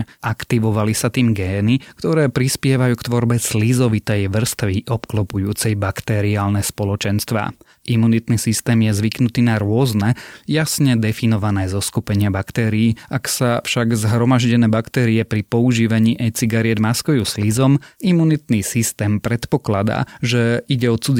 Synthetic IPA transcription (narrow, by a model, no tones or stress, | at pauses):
ʔakt̪iʋɔʋalisat̪iːmɡɛːnikt̪ɔɾɛːpɾispɪɛʋajuːkt̪ʋɔɾbɛslizɔʋit̪ɛjʋr̩st̪ʋiʔɔpklɔpujuːt͡sɛjbakt̪ɛɾiaːlnɛspɔlɔt͡ʃɛnst̪ʋa̰ː | ʔimunit̪nisist̪ɛːmjɛzʋiknut̪iːnaɾʊɔznɛjasɲɛd̪ɛfinɔʋanɛːzɔskupɛɲɪabakt̪ɛːɾiːʔaksafʃaɡzɦɾɔmaʒɟɛnɛːbakt̪ɛːɾiɛpɾipɔuʒiːʋaɲiːʔɛjt͡siɡaɾiɛd̪maskujuːslizɔmimunit̪nisist̪ɛːmpɾɛt̪pɔklad̪a̰ːʒɛiɟɛɔt͡sud͡z